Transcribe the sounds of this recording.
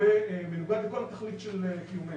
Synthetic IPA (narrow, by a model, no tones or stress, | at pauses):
emenuɡad̪leko̞lat̪aχlit̪ʃelekijume